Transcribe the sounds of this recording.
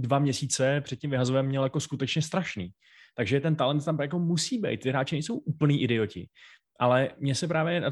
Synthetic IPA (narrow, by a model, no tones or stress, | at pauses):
dvamɲɛsiːt͡sɛpr̥ɛt̪̚cɪmvɪɦazovɛmːɲɛljako̞skut̪ɛt͡ʃɲɛst̪ɾaʃniː | t̪aɡʒɛt̪ɛnt̪alɛnt̪ːamjak̬o̞musiːbɛ̰jt̪̚t̪ɪɾaːt͡ʃɛnɛjso̞wʔupl̩niːʔɪdɛo̞cɪ̰ | ʔalɛmɲɛsɛp̬ɾaːvjɛna